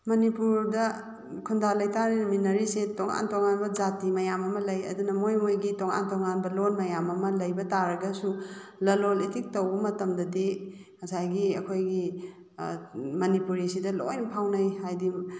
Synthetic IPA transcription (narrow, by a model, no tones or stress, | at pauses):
mɐnipuɾdɐ | kʰundalɐjtaɾiminɐɾisetoŋa̰ntoŋanbɐd͡ʒatimɐjamɐmɐlɐjɐ̰dunɐmojmojɡitoŋa̰ntoŋanbɐlonmɐjamɐmɐlɐjbɐtaɾɐɡɐsulɐlolitik̚tɐwbɐmɐtɐmdɐdi | ŋɐsajɡiɐkʰojɡi | mɐnipuɾisidɐlo̰jnpʰawnɐjhajdi